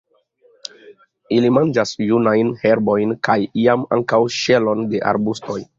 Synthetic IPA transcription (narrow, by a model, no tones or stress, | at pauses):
ilimand͡ʒasjunajnhe̞ɾbo̞jnkʰajiama̰ŋkawʃe̞lo̞nde̞ʔa̰ɾbusto̞j